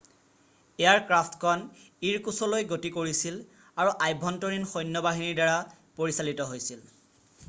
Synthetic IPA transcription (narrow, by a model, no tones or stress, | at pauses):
ejaɹkɹaftkʰɔn | iɹkusɔlojɡotikoɹisil | aɹuʔajbʱɔntoɹinxɔjnːɔbaɦiniɹdaɹa | poɹisalitɔɦojsil